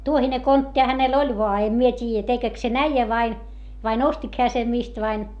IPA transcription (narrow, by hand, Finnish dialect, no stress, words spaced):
tuohine kontːih̆ɑ̆ hænel olʲ ʋoɑ em mie tʲiːjæ tekek sen æijæ ʋɑin ʋɑin ostik heæ sem mist ʋɑin